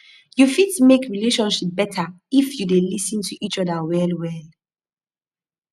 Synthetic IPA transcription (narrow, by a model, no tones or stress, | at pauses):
jufidtumekʰɹileʃɔ̃nʃip̚bɛtʰa | ifjudelisə̃ntʰuʔit͡ʃɔdəwɛlwɛl